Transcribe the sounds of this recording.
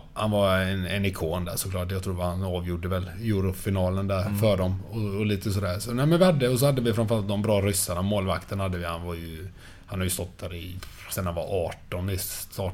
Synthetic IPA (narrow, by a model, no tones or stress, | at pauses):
hanvaɾɛnɛnɪkʰoːnd̪æ̰ʂɔklɑːʈjɑt̪ʰɾuːhanɑːvjuɖəvɛl | juːɾʊfɪnɑːlənd̪æɾfœɖɔmɔɔliːt̪əsɔd̪æːɾsɔnæɪmɛnvɪhad̪ːəɔsɔhad̪ːəvɪfɾanfœɾalt̪d̪ɔmbɾɑːɾʏsːaɳamoːlvakt̪ʰənhad̪ːəvɪhanvaɾjɵ | hanhaɾjɵst̪ɔt̪̚ːd̪æːɾɪ | sɛnhanva̰ʔɑːʈɔnɪst̪ɑː